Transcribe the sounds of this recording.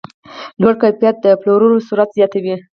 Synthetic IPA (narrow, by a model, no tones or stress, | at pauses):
lwaɽkajpjat̪̚d̪əploɾunosuɾat̪zjɑt̪awi